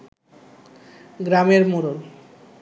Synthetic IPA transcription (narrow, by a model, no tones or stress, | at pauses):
ɡɾameɾmoɾol